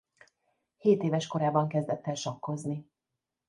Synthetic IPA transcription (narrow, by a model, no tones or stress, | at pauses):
heːt̪eːvɛʃko̞ɾaːbɒŋkɛzd̪ɛt̪ːɛlʃɒkːo̞zni